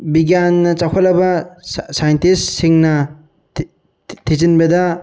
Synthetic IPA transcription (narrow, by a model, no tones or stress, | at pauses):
biɡjanːɐt͡ʃakʰalɐbɐsajɐntistsiŋnɐ | tʰizinbɐdɐ